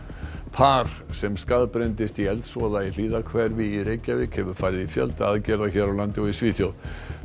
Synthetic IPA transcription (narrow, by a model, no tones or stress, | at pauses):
pʰaɾ̥sɛmskaðpɾɛnt̪ɪst̪iɛlt̪sɔðail̥iːðakʰvɛɾvɪːɾejcːavɪːkhɛvʏɾ̥faːjɾɪðifjɛ̰lt̪aaðcɛːɾðaçɛɾawlant̪ɪɔisviːθjow